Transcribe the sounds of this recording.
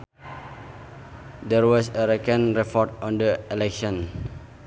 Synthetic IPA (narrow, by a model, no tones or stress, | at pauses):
dɛɹwɔsəɾɛkə̃nɹɛpɔtɔ̃ndəɛlɛkʃɔ̃n